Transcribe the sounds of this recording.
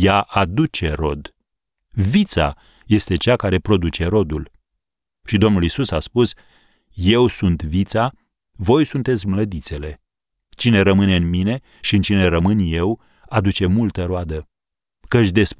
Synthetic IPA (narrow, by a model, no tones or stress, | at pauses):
jaʔad̪ut͡ʃe̞ɾo̞d̪ | vit̪sa̰ | je̞st̪e̞t͡ʃakaɾe̞pɾo̞d̪ut͡ʃe̞ɾo̞d̪ul | ʃid̪o̞mnulisusaspus | je̞wsunt̪vit̪sa | vo̞jsunt̪e̞t̪sʲmləd̪it̪se̞le̞ | t͡ʃine̞ɾəmɨne̞ɨnmine̞ | ʃiɨnt͡ʃine̞ɾəmɨnje̞w | ad̪ut͡ʃe̞mult̪əɾoad̪ə | kət͡ʃʲd̪e̞sp